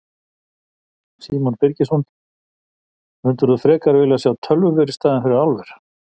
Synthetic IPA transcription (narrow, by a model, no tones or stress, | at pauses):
siːmɔnpɪɾcɪsɔn | ʏnt̪ʏɾ̥θuθɾɛːkaɾvɪːlɪasjaːwt̪ʰœlvʏvɪɾɪst̪aːðɪnfɪɾɪɾawlvɛɾ̥